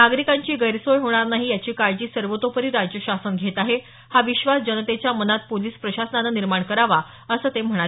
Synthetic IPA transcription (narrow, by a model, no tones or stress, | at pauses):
naɡɾikaɲt͡ɕiːɡəjɾsojɦoɽ̃aɾnaɦiːjat͡ɕiːkaɭd͡ʑiːsəɾʋət̪opəɾiːɾad͡ʑjəɕasənɡʱet̪aɦe | haʋiɕʋasd͡ʑənət̪et͡ɕjamənat̪̚poliːspɾəɕasənananiɾmaɳkəɾaʋa | əsəːt̪em̤əɽ̃a